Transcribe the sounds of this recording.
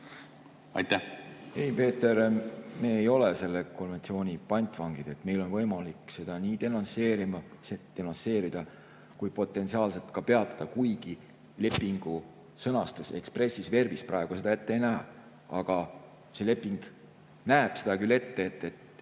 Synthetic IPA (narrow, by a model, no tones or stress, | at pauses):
ɑ̰jt̪ːæhhejpe̞ːt̪ːˑe̞ɾme̞ːejo̞lese̞lːeko̞nve̞nt̪sio̞ːnʲipɑjnʲt̪ːˑvɑŋɡ̥id̪̥e̞t̪me̞jlo̞nvɤ̞jmɑlikse̞d̪̥ɑniːt̪e̞nɑnse̞ːɾimɑ | set̪enɑnse̞ːɾid̪̥ɑ | kujpo̞t̪ːˑe̞nt̪siɑːlse̞lt̪ˑkɑpe̞ɑt̪ːˑɑ̥d̪̥ɑkujɡ̥i | le̞pːˑiŋɡ̥u | sɤnɑst̪use̞̰kspre̞sːisve̞rvisprɑe̞ɡ̥use̞d̪̥ɑet̪ːejnæɦɑ | ɑɡ̥ɑ | se̞le̞pːˑiŋɡ̥ | næeb̥sed̪ɑkylːe̞t̪ːe̞ːt̪ːe̞t̪